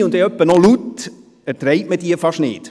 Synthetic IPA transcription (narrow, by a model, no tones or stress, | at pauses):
ʊnd̪ɛœpːənolut̪ | ætɾɛɪtməd̥iːfɑʃnɪ̰ːt